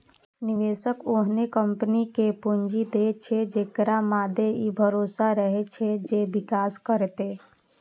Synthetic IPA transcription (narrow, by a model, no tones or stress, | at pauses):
niʋeːsəkoɦnekəmpənikepund͡ʒid̪et͡ʃʰed͡ʒeːkɾamaːd̪ʱeibʱəɾoːsaɾəɦet͡ʃʰɛd͡ʒebikaːskəɾt̪e